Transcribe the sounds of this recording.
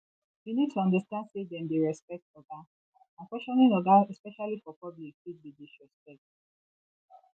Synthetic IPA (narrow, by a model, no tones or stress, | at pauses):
winid̚tʰuɔ̃ndastãndsedɛ̃ndeɹɛspɛk̚tɔɡa | ãkwɛʃɔ̃nĩnɔɡaɛspɛʃalifɔpɔblikʃud̚bideʃɹɛspɛk̚t